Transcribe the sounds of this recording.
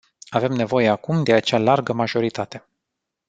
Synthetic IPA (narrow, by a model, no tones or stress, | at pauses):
ave̞mne̞vo̞je̞akumd̪e̞at͡ʃalarɡəmaʒo̞ɾit̪at̪e̞